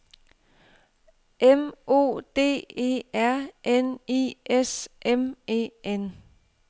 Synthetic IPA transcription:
emo̝̰ːd̥e̝̰ːe̝̰ːæɐ̰ʔenḭːʔesʔeme̝̰ːen

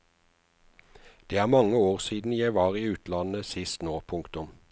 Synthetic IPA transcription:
d̪̥eːæːʁmɑŋəoːʁsiːd̪n̩jæɪʋɑːʁiːʉːt̪lɑnəsɪst̪noːpʰʊŋkt̪ʊm

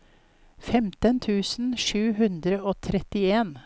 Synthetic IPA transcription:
fɛmt̪ənt̪ʰʉːsn̩ʃʉːɦʉnd̪ɾəoːt̪ʰɾɛt̪ɪeːn

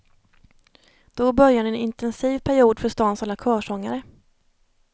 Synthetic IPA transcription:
d̪̥ɔbœɾjanɛɛnɪnt̪ʰɛnsiːvpʰæɾɪuːd̪fœʂt̪ɑːnsalːakʰœːʂɔŋːaɾə

